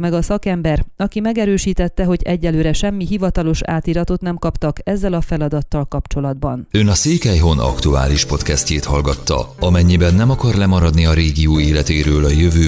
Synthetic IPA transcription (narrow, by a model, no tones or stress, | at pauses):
mɛɡɒsɒkɛmbɛrɒkimɛɡɛɾøːʃiːt̪ɛt̪ːɛɦo̞ɟɛɟːɛlːøːɾɛʃɛmːiɦivɒt̪ɒlo̞ʃa̰ːt̪iːɾɒt̪o̞t̪nɛmkɒpt̪ɒkɛzːɛlɒfɛlɒd̪ɒt̪ːɒlkɒpt͡ʃo̞lɒd̪bɒnønɒseːkɛjɦo̞nɒ̰kt̪ua̰ːliʃpo̞t̪kɛst̪eːt̪hɒlɡɒt̪ːɒ̰ɒmɛɲːibɛnːɛmɒkɒrlɛmɒɾɒd̪niɒɾeːɡijuːeːlɛt̪eːɾøːlɒjøvøː